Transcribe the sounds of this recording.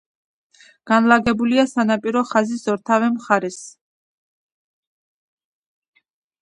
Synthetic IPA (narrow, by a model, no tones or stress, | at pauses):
ɡ̥anlaɡɛbuliasanapʼiɾɔχaziszɔɾt̪ʰavɛmχaɾɛs